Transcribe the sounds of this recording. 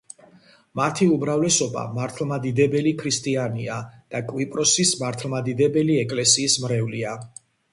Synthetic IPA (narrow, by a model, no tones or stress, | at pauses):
mat̪ʰiumɾavlɛsɔba̰maɾt̪ʰlˠmad̪id̪ɛbɛlikʰɾist̪ʼianiad̪̥akʼwipʼɾɔsismaɾt̪ʰlˠmad̪id̪ɛbɛliɛkʼlɛsiːsmɾɛvlia